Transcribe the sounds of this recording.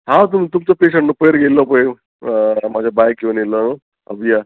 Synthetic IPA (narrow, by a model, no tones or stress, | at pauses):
ɦãt̪̬umt̪umt͡səpeɕ̬əɳʈnəpəjɾɡelːəpəj | mad͡ʑʱabajkːĩʋanelːəno | ə̰bija